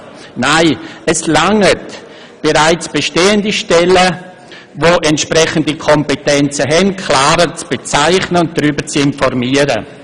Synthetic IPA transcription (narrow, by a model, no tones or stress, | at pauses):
naɪəslaŋət | b̥eɾaɪt͡sb̥eʃteːəndiʃtɛlə | voʔɛntʃpɾɛχən̩dikʰɔmpetɛnt͡səɦɛnkʰlaːɾət͡sb̥et͡saɪχnəʊnt̚dɾyːbəɾt͡sɪnfɔrmiəɾə̰